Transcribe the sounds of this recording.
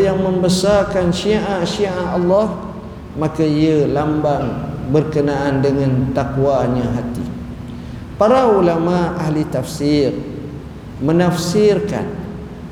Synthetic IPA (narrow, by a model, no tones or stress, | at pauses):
jaŋmə̃mbəsarkanʃiaʔaʔʃiʔaalːɑh | makaiəlambaŋbərkənaandəŋãnt̪akwaɲãɦat̪ḭ | paɾaulamaahlit̪afsir | mənafsɪrka̰n